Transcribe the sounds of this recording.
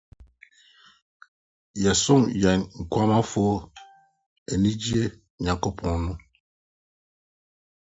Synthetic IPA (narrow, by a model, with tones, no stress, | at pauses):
ja˨so˦ŋja˨nŋ̩˨kwa˦ma˦fo˦ | e˨ni˦d͡ʒi˦e˦ | ɲa˨ko˦pʰɔ̃˨nu˦